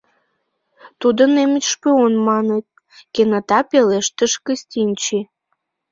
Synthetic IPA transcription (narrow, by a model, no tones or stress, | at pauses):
t̪ud̪ənemet̪ʲʃpøonmɑnet̪̚ | kenət̪ɑpeleʃt̪ə̆ʃkəsʲt̪ʲinʲt͡ɕi